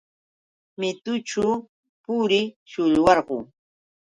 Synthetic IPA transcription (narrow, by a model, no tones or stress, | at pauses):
mɪt̪ʊʈ͡ʂʊ | pʊɾɪ | ʃʊʎwɑɾɢʊ̰